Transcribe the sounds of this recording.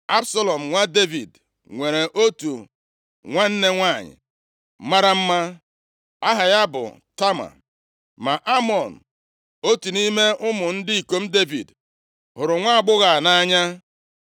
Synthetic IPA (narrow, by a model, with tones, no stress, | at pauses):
a˦bsa˦lɔ˨m̩˨ŋʷa˦de˦vi˨d | ŋʷe˨ɾe˨ʔo˦tu˨ | ŋʷa˦n̩˦ne˦ŋʷa˦˨ɲɪ̰˨˦ | ma˦ɾa˦m̩˦ma˦ | a˦ɦa˨ja˦bʊ̰˨ | ta˦ma̰˨ | ma˨ʔa˦mɔ˨n̩˨ | o˦tu˨ni˦me˦ʔʊ˦mʊ˨n̩˦dɪ˦i˨ko˨m̩˦de˦vḭ˨d | hʊ˨ɾʊ˨ŋʷa˦a˨ɡ͡bʊ˦ɣa˨na˦ɲa˦